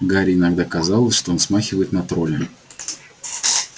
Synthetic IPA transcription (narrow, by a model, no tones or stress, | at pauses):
ɡaɾʲɪɪnɐɡ̚d̪akɐzɑlˠəsʲʂt̪o̞onsmaxʲɪvəjɪt̪nɐt̪ɾolʲɪ